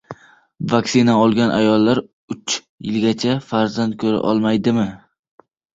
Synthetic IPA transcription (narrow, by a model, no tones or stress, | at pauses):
vakʲsɪnaɒlˠɡʲanʔa̰jɒlˠːaɾ | ʊt͡ʃ | jɪlɡʲat͡ʃʰafaɾzand̪̚kʲʰɵɾa̰ʔɒ̰lˠmajd̪ɪmɪ